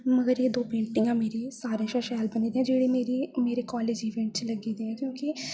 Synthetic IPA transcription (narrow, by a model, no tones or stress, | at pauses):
məɡəɾjeːd̪oːpẽːɳʈijãːmeːɾisaːɾẽʃaːʃɛːlbəniːd̪eːɛ̃ːd͡ʒeːɽeːmeːɾimeːɾeːkaːleːd͡ʒiːʋẽːɳʈt͡ʃləɡiːd̪eːɛ̃ːkjõːki